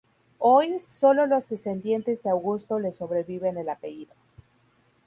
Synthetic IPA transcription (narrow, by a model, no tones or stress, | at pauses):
o̞jso̞lo̞lo̞zðe̞se̞nd̪je̞nt̪e̞zðeawɣust̪o̞le̞so̞βɾe̞βiβe̞ne̞lape̞ʝiðo